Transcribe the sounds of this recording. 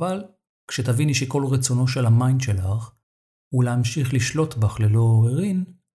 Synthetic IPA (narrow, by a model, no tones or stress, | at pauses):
val | kʃet̪aviniʃeko̞lʁet͡so̞no̞ʃe̞lhamainʃe̞laχ | uleamʃiχliʃlo̞tbaχlelo̞eʁin